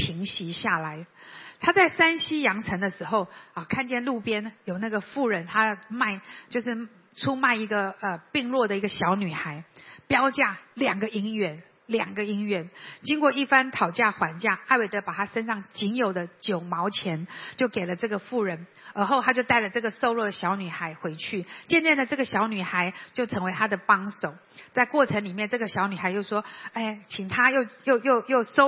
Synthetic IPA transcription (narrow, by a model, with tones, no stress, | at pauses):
pʰi˧˥ŋɕi˧˥ɕja˥˩la˧˦ɪt̪ʰa˥t͡sa˥˩ɪsa˥nɕi˥jɑ˧˥ŋt͡sʰə˧˥ŋd̪ə˧ʂɻ̩˧˥xo˥˧ʊə˨˩kʰa˥˧nt͡ɕjɛ˥˧nlu˥˩pjɛ˥njo˨˩ʊna˥˩ɡə˩fu˥˩ɻə˧˥nt̪ʰa˥ma˥˧ɪt͡ɕjo˥˧ʊʂɻ̩˥˩ | t͡sʰu˥ma˥˩ɪi˧˥ɡə˧ə˨˩pi˥˧ŋlwɔ˥˩d̪ə˩i˧˥ɡə˧ɕjɑ˧˥ʊny˨˩xa˧˥ɪpjɑ˥ʊt͡ɕja˥˩ljɑ˨˩ŋɡə˧˦i˧˥ŋɥɛ˧˥n | ljɑ˨˩ŋɡə˦i˥ŋɥɛ˧˥˦nt͡ɕi˥ŋkwɔ˥˧i˥˩fa˥nt̪ʰɑ˨˩ʊt͡ɕja˥˩xwa˧˥nt͡ɕja˥˩a˥˧we˥˩ɪt̪ə˧˥pa˨˩t̪ʰa˥ʂə˥nʂɑ˥˩ŋt͡ɕi˧˥njo˨˩ʊd̪ə˦t͡ɕjo˨˩ʊmɑ˧˥ʊt͡ɕʰjɛ˧˥nt͡ɕjo˥˩ʊke˨˩ɪlə˦ʈ͡ʂɤ˥˩ɡə˩fu˥˩ɻə˧˥n | ə˧˥xo˥ʊt̪ʰa˥t͡ɕjo˥˧ʊt̪a˥˩ɪlə˩ʈ͡ʂɤ˥˩ɡə˩so˥˧ʊlwɔ˥˩d̪ə˩ɕjɑ˧˥ʊny˨˩xa˧˥ɪxwe˧˥ɪt͡ɕʰy˥˩t͡ɕjɛ˥˧nt͡ɕɛ˥˩nd̪ə˩ʈ͡ʂɤ˥˩ɡə˩ɕjɑ˧˥ʊny˨˩xa˧˥˦ɪt͡ɕjo˥˩ʊʈ͡ʂʰə˧˥ŋwe˧˥ɪt̪ʰa˥d̪ə˨pɑ˥ŋso˨˩ʊ | t͡sa˥˧ɪkwɔ˥˩ʈ͡ʂʰə˧˥ŋli˨˩mjɛ˥˧nʈ͡ʂɤ˥˩ɡə˩ɕjɑ˧˥ʊny˨˩xa˧˥ɪt͡ɕjo˥˩ʊʂwɔ˥e˥˩ɪt͡ɕʰi˨˩ŋt̪ʰa˥jo˥˩ʊjo˥˧ʊjo˥˧ʊjo˥˩ʊso˥